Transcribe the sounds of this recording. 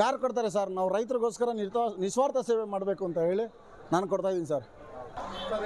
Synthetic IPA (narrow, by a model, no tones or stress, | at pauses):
jaːɾkɔɽt̪̬aːɾes̬aːɾnaːʋuɾɐjt̪ɐɾiɡoːskɐɾɐnit̪nisʋaːɾt̪ɐseːʋemaːɽbe̞ːkuɐnt̪ɐɦeːɭi | naːnkɔɽt̪aːjid̪inisaːɾ